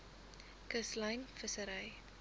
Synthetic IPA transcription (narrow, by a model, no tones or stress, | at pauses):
kəslɐjnfəsəɾɐj